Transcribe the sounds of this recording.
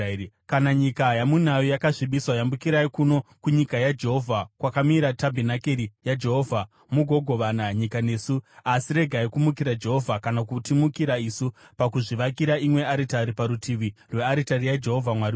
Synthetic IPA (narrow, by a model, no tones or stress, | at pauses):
kanaɲikajamunajojakaʐiɓiswajambukiɾaikuno̞kuɲikajad͡ʒe̞ɦo̞vʱakwakamiɾatabʱenakeɾijad͡ʒe̞ɦoːvʱa | muɡʱo̞ɡʱo̞ʋanaɲikane̞suasiɾe̞ɡʱaikumukiɾad͡ʒe̞ɦo̞vʱakanakutimukiɾaisupakuʐiʋakiɾaimwe̞aɾitaɾipaɾutʰiʋirwe̞aɾitaɾijad͡ʒe̞ɦo̞vʱamwaɾi